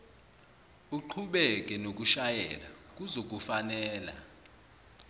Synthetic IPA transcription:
uǃʰuɓɛk̬ʼɛnok̬ʼuʃajɛ̰la̰k̬ʼuzok̬ʼufanɛːla̰

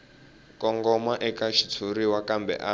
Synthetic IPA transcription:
kɔŋɡɔmaʔɛkaʃi̥t͡sʰuɾiwakambɛ̰ʔa

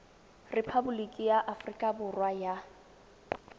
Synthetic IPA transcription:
rɪpʰabulikʼijaʔafrikʼabʊrwaja

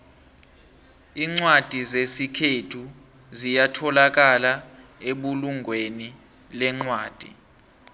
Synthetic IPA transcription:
iːŋ͡ǀwad̥ʱizesikʰetʰu | zijatʰɔlak̬alaeɓuluŋɡʱweni | lɛŋ͡ǀwaːd̥ʱḭ

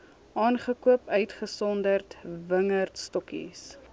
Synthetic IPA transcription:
ʔɑːnχəkuəpœɥtχəsɔndərtvəŋərtstɔkḭs

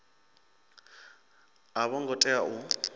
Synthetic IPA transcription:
aβɔŋ̩ɡɔtʼɛaʔʊ

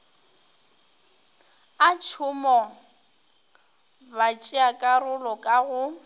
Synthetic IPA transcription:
at͡ʃʰʊmɔ | bat͡ʃʼɪakʼarʊlɔkʼaɣʊ

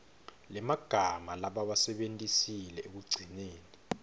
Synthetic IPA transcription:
lɛmaɡ̥ʱamalaɓawasɛɓentʼisilɛek̬uɡ͡ǀʱineːni

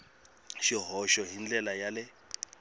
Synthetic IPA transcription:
ʃiɦɔʃɔɦind͡ɮɛlajalɪ

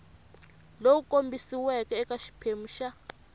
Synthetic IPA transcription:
lowukʼombisiwɛkɛːkaʃi̥pʰem̩ːʃa

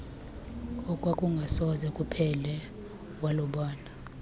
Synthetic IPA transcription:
ɔkʼwakʼuŋɡʱasɔzɛkʼupʰɛlɛ | walɔɓaːna

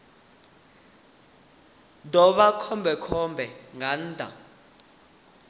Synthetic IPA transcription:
dʱɔɓakʰɔmbʱɛkʰɔmbʱɛŋaːn̩ːdʱa̰

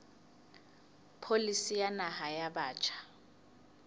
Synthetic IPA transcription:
pʰolisijanaɦajaɓaːt͡ʃʼʰḁ

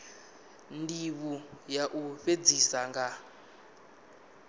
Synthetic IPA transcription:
ndiβujaʔuɸed͡zisaŋɡa

